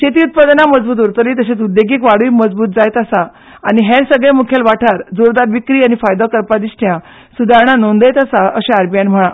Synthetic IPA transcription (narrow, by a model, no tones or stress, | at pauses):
t͡ɕet̪iːut̪̚pad̪naməd͡zbuːt̪uɾt̪əɾit̪əɕet͡sud̪jeɡiːkʋaɽuiməd͡zbuːt̪̚d͡zajt̪asa | aniɦeɾsəɡɭemukʰelʋaʈʰaɾd͡zoɾd̪aɾʋikɾiːañifajd̪okəɾpad̪isʈʰjã | sud̪ʱaɾɳanond̪əjt̪əsaəɕẽaɾbijanm̤əɭ̃ã